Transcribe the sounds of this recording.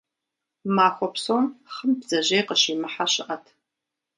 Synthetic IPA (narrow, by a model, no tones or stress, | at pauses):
maːxʷɔpsomχəmbzɐʑejqəɕimɨħaɕɪʔɐtʰ